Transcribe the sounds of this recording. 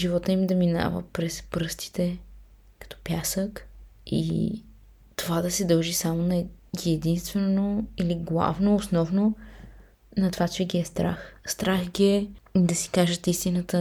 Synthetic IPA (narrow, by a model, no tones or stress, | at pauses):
ʒivɔt̪əimd̪ɐmina̰və̰pɾɛspɾɤst̪i̥t̪ɛ | kɐ̥t̪ɔ̥pjasəkḭ | t̪ovad̪ɐsɛd̪əlˠʒisamonɐɛɡiɛd̪inst̪vɛnoiliɡlˠa̰vnoːsnɔvno | nɐt̪ovat͡ʃɛɡʲiɛst̪ɾa̰xst̪ɾaxɡʲiɛid̪ɐsi̥kaʒət̪ist̪inət̪ə